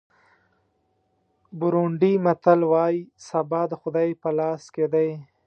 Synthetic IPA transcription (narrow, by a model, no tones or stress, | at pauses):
bʊɾuɳɖimat̪alwɑjisabɑd̪əxʊd̪ajpəlɑsked̪aj